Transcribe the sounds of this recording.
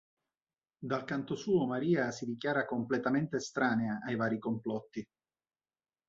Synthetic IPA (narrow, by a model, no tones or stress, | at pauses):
d̪alkant̪osuːomaɾiːasid̪ik̬jaːɾakomplet̪ament̪est̪ɾaːneaʔajvaːɾikomplɔt̪ːi